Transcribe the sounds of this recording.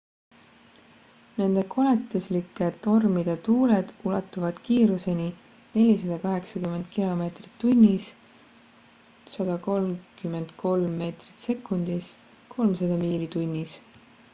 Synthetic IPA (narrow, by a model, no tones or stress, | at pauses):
ne̞nd̪̥e̞kʰo̞let̪ːˑuslikːˑe̞t̪o̞rmid̪̥et̪uːle̞d̪̥ulɑt̪ːˑuvɑd̪̥kiːɾuse̞ni | ne̞lʲis̬ɑd̪̥ɑkɑɦe̞ksɑkymːe̞nd̪̚kilo̞me̞ːt̪rit̪ːunʲːis | sɑd̪̥ɑko̞lmkymːe̞nd̪̥kʰo̞lmːe̞ːt̪ri̥t̪se̞kːˑund̪̥is | kʰo̞lmsɑd̪ɑmiːlit̪unʲːis